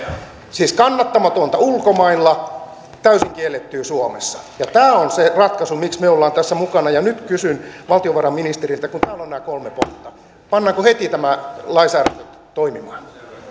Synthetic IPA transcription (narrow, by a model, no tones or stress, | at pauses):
siːskɑnːɑt̪ːɑmɑt̪ont̪ɑulkomɑilːɑ | t̪æysiŋkielːet̪ːyːsuomḛsːɑ̥jɑt̪æːonserɑt̪kɑsumiksmeolːɑːnt̪æsːæmukɑnɑjɑnyt̪kysynʋɑlt̪ioʋɑrɑminist̪erilt̪ækunt̪æːlːonenæːkolmepont̪ːɑ | pɑnːɑːŋkohet̪it̪æmælɑisæːræt̪øt̪t̪oimimɑːn